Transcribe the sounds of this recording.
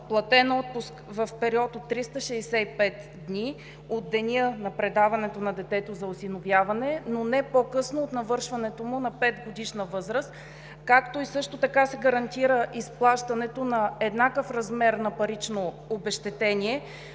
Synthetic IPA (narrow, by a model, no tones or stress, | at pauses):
plˠɐt̪ɛnɔt̪̚pʊskvəfpɛɾiɔt̪ot̪ːɾist̪əʃɛːsɛipɛt̪ | d̪nʲi | od̪̚ːɛniənɐpɾɛd̪avɐnɛt̪onɐd̪ɛt̪ɛt̪ozɐosinovjavɐnɛnonɛpokɤsnoːt̪nɐvɤɾʃvɐnɛt̪omʊnɐpɛt̪ɡod̪iʃnəvɤzɾəst̪ | kakt̪oisɤʃt̪ot̪ɐkasɛɡɐɾɐnt̪iɾəʔisplˠaʃt̪ɐnɛt̪onɐɛd̪nakəfɾɐzmɛɾnɐpɐɾit͡ʃnoː | bɛʃt̪ɛt̪ɛnʲiɛ